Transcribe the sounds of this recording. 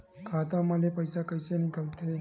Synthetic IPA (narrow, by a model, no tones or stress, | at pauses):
kʰat̪aməlepəjsakəjsenikəlt̪e